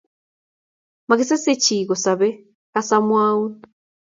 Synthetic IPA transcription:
ma˨ɡi˦se˦se˦ci˨ɣo˨sa˨βe˦ | ka˦samwaː˦wu˦

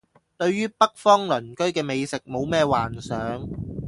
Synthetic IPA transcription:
t̪ɵ˧ɥɥyː˥pɐ˥k̚fɔː˥ŋlɵ˨˩nkɵ˥ɥkɛː˧me˨˧jsɪ˨k̚mo˨˧wmɛː˥˧waː˨˩nsœː˨˥ŋ

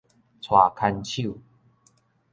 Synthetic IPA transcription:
t͡sʰwa˨˩kʰa˧nt͡ɕʰu˥˨

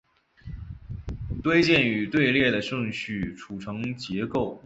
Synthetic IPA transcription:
t̪we˥ɪt͡ɕjɛ˥˩ny˨˩t̪we˥˧ɪljɛ˥˩d̪ə˩ʂɤ˥˧ŋɕy˥˩ʈ͡ʂʰu˨˩ʈ͡ʂʰɤ˧˥ŋt͡ɕjɛ˧˥ko˥˩ʊ

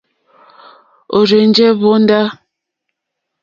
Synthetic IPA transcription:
o˨ɾe˨n˦d͡ʒɛ˦βo˦n̩˦da˦

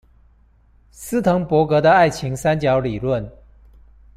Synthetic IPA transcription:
sɹ̩˥t̪ʰɤ˧˥ŋpwɔ˧˥kɤ˧˦d̪ə˧a˥˩ɪt͡ɕʰi˨˦ŋsa˥˦nt͡ɕjɑ˧˥ʊli˨˩lwə˥˨n

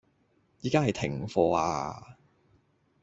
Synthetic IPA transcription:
jiː˨kaː˥hɐ˨jt̪ʰɪ˨˩ŋfɔː˧a̰ː˧

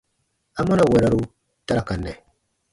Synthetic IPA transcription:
a˦mɔ˦na˨wɛ˨ɾa˦ɾu˦ | ta˦ɾa˨ka˨nːɛ˨

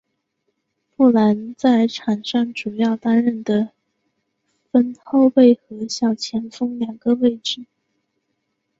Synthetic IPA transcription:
pu˥˩la˧˥nt͡sa˥˩ɪʈ͡ʂʰa˨˩nʂɑ˥˩ŋʈ͡ʂu˨˩jɑ˥˩ʊt̪a˥nɻə˥˩nd̪ə˩ | fə˥nxo˥˧ʊpe˥˩ɪxɤ˧˥ɕjɑ˥˩ʊt͡ɕʰjɛ˧˥nfɤ˥ŋljɑ˨˩ŋɡə˧we˥˧ɪʈ͡ʂɻ̩˥˩

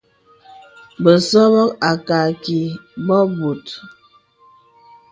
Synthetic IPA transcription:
bə˨sɔ˦bɔ˦ka˨ka˨ki˨bɔ˦bu˨t

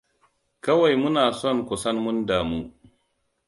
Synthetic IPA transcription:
kɐ˦wa˨jmʊ˦naː˨sɔ˦˨nkʷʊ˨sɐ˦nmʊ˦ndaː˨muː˦

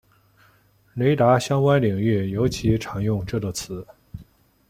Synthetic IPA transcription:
le˧˥ɪt̪a˧˥ɕjɑ˥ŋkwa˥nli˨˩ŋy˥˩jo˧˥ʊt͡ɕʰi˧˥ʈ͡ʂʰɑ˨˩ŋjʊ˥˧ŋʈ͡ʂɤ˥˩d̪ə˥˩t͡sʰɹ̩˧˥

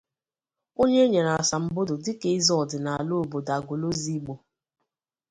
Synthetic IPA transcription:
o˦ɲe˦ɲe˨na˨a˨sa˨m̩˨bʊ˦do˨dɪ˦ke˦ɪ˦zɔ˦˨dɪ˨na˨a˨lo˦o˨bo˨da˨ɡo˨lo˦zi˦ɡ͡bo˨

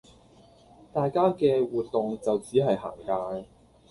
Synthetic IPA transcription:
t̪aː˨jkaː˥kɛː˧wuː˨t̚t̪ʊ˨ŋt͡sɐ˨wt͡siː˨˥ɦɐ˨jɦa̰ː˨˩ŋkaː˧

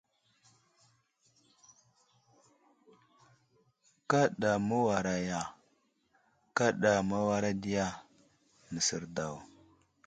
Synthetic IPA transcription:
ka˦ɗa˨mu˦wa˨ɾa˨ja˨ | ka˦ɗa˨ma˦wa˦ɾa˦di˦ja˦ | nə˨si˨ɾda˨w

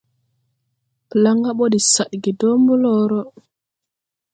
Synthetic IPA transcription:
pə˨la˦ŋɡa˦ɓo˦di˨sa˨ɗɡi˨do˦mbu˦lɔ˦ɾɔ˦

